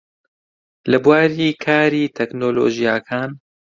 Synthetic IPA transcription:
lɐbwaːɾiːkʰaːɾiːt̪ʰɛknoːlo̰ːʒijaːkʰaːn

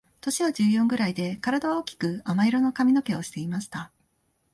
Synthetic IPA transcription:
t̪o̞ɕiβad͡ʑɨːjõ̞ŋɡɯ̟ɾaid̪e̞kaɾad̪aβao̞ːkʲi̥kɯ̟amaiɾo̞no̞kamʲino̞ke̞o̞ɕi̥t̪e̞imaɕi̥t̪a

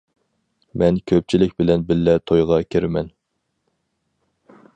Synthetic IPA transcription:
mɛnkʲʰøp̚t͡ʃʰilɪkʲbɪlɛnbɪlːɛt̪ʰojʁɑkʲʰeɾɪmɛn

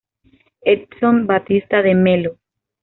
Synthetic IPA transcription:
et̪sombat̪ist̪aðemelo

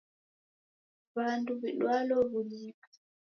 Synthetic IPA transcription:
βanduβiɗwalɔβulikḁ

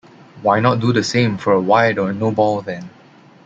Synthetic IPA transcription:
wajnɔt̚dudəsẽmfɔɹəwajdɔənobɔlðɛ̃n

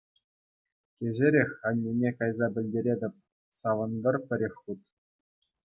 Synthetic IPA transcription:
kʲezʲeɾʲexʲɑnʲːinʲekɑjzɑbʲɘ̆lʲdʲeɾʲedʲɘ̆p̚ʲ | sɑʋɤ̆nd̪ɤ̆rpʲɘ̆ɾʲexʲut̪̚

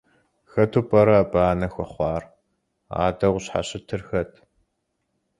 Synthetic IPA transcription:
xɐtʰupʼɐɾɐbaːnɐxʷɐχʷɑːr | a̰ːdɐʁʷɕħa̰ɕɪtʰɨrxɐtʰ

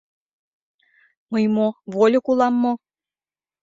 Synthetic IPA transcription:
məjmovolʲokulˠɑmːo

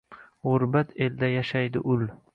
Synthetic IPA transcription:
ʁoɾbat̪ʰe̞ld̪ajaʃajd̪ɪʔʊl

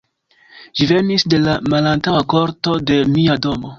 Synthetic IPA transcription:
ʒ̥ive̞nisde̞lamalantawako̞ɾto̞de̞niado̞mo̞

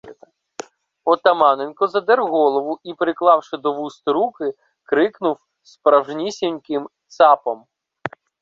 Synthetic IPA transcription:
ɔt̪ɐmɑnenkɔzɐd̪ɛɾwɦɔlˠɔʋʊʔipɾɪklˠɑwʃɪd̪ɔʋust̪ɾukɪ | kɾɪknʊw | spɾɐwʒnʲisʲinʲkɪmt̪sɑpɔm

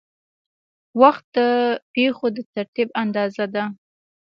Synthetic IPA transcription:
waxt̪̚d̪əpexod̪ət̪aɾt̪iband̪ɑzad̪a

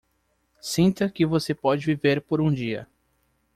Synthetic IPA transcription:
sĩnt̪ɐkɪvosepɔd͡ʒɪviveɾpoɾũd͡ʒiɐ̰

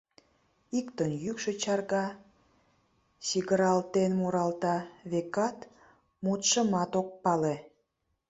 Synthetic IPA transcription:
ikt̪ənjykʃet͡ɕɑrɣɑ | ɕiɣəɾɑlt̪enmoɾɑlt̪ɑβekɑt̪ | mut̪ʃəmɑt̪ok̚pɑle

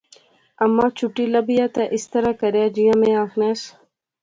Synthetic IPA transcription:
ɐmːaːt͡ɕuʈiːlɐbijaːt̪eʔist̪ɐɾaːkɐɾjaːd͡ʑijãːmẽːaːxneːs

